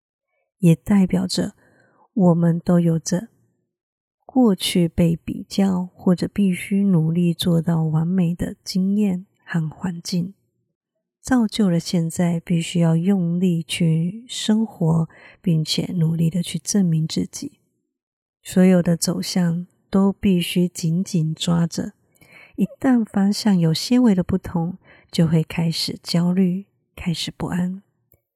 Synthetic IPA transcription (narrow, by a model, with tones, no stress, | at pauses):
jɛ˨˩t̪a˥˩ɪpjɑ˨˩ʊʈ͡ʂə˦ | wɔ˨˩mə˧˦nt̪o˥ʊjo˨˩ʊʈ͡ʂə˧ | kwɔ˥˧t͡ɕʰy˥˧pe˥˩ɪpḭ˨˩t͡ɕjɑ˥˩ʊxwɔ˥˩ʈ͡ʂɤ˨˩pi˥˩ɕy˥nu˨˩li˥˧t͡swɔ˥˧t̪ɑ˥˩ʊwa˧˥nme˨˩ɪd̪ə˦t͡ɕi˥ŋjɛ˥˩n | xa˥˩nxwa˧˥nt͡ɕi˥˩ŋ | t͡sɑ˥˧ʊt͡ɕjo˥˩ʊlə˩ɕjɛ˥˧nt͡sa˥˧ɪpi˥˩ɕy˥jɑ˥˧ʊjʊ˥˧ŋli˥˧t͡ɕʰy˥˧ʂə˥ŋxwɔ˧˥˦pi˥˩ŋt͡ɕʰjɛ̰˨˩˦nu˨˩li˥˩d̪ə˩t͡ɕʰy˥˧ʈ͡ʂə˥˩nmi˧˥ŋt͡sɹ̩˥˩t͡ɕi˨˩˦ | swɔ˧˥jo˨˩ʊd̪ə˦t͡so˨˩ʊɕjɑ˥˩ŋ | t̪o˥ʊpi˥˩ɕy˥t͡ɕi˧˥nt͡ɕi˨˩nʈ͡ʂwa˥ʈ͡ʂə̰˨˦ | i˧˥t̪a˥˩nfa˥ɕjɑ˥˩ŋjo˨˩ʊɕjɛ˥nwe˧˥ɪd̪ə˧pu˥˩t̪ʰʊ˧˥ŋ | t͡ɕjo˥˧ʊxwe˥˩ɪkʰa˥ɪʂɻ̩˨˩t͡ɕjɑ˥ʊly˥˩ | kʰa˥ɪʂɻ̩˨˩pṵ˥˩ʔa˦˥n